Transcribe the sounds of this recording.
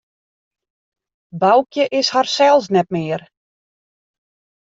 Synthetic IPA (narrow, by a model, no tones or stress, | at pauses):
bawkjəʔɪsharsɛlˠsnɛt̚mɪːər